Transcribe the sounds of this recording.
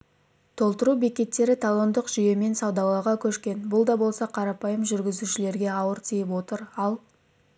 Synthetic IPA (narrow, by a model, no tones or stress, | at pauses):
t̪ʰo̞lˠt̪əɾube̞kʲe̞t̪ːe̞ɾɪt̪ʰalˠo̞nd̪əqʒ̥ʏje̞me̞nsɑwd̪ɑlˠɑʁɑkʲʰɵʃkʲe̞nbʊlˠd̪ɑbo̞lˠsɑqʰɑɾɑpɑjəmʒʏɾɡʲɪzuʃɪle̞ɾɡʲe̞ɑwəɾt̪ʰijɪpwo̞t̪əɾɑlˠ